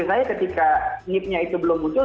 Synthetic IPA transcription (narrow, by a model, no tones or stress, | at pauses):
sajakət̪ikaŋɪp̚ɲait̪ubəlʊmbut̪ʊ